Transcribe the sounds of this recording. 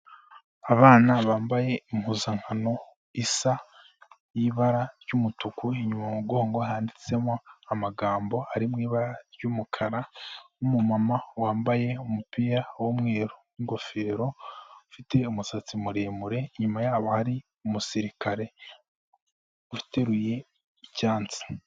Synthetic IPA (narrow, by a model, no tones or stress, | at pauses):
aβaːnaβaːmbaje̞im̥uzaŋ̥hano̞ | isa | jiβaɾaɾjumutukuiɲumamuɡo̞ːŋɡoɦaːndit͡se̞moamaɡaːmbo̞aɾimŋiːβaɾaɾɟumukʰaɾanumumamawaːmbaje̞umupiɾawomŋe̞ːɾo | iŋɡo̞fe̞ːɾo̞fite̞umusat͡simuɾeːmuɾe̞ɲumajaːβohaɾi | umusiɾikaɾe̞ | ufi̥te̞ɾuje̞ | icaːnt͡si̥